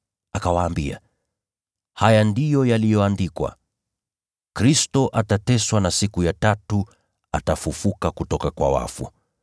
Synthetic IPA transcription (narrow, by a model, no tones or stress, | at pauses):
akawaːmbia̰ | hajandijɔjalijɔandikwa̰ | kɾistɔʔatatɛswanasikujatatu | atafufukakutɔkakwa̰wa̰fṵ